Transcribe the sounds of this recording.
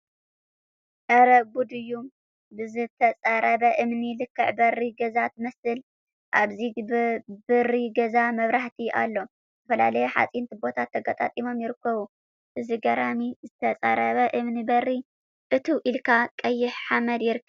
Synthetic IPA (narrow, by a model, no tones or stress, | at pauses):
ʔ̪ɐɾɐɡud̪ɨjum | bɨzɨt̪ʰɐt͡sʼɐɾɐβɐʔɨmnilɨkʰːɨʕbɐriɡɐzat̪mɐsɨl | ʔaβzi | bɨriɡɐzamɐβɾaħt̪ʰiʔa̰lːo̞ | ɨt̪ɐfɐla̰lɐjuħa̰t͡sʼint̪ʰibo̞t̪ʰat̪ʰːɐɡɐt̪ʼa̰t̪ʼimo̞mjɪɾɨkːɐβu | ʔɨziɡɐɾamizɨt̪ʰɐt͡sʼɐɾɐβɐʔɨmnibɐrːi | ʔɨt̪ʰiʔilkʰakʼɐjːɪħħamɐd̪jɪɾɨkʰːɐ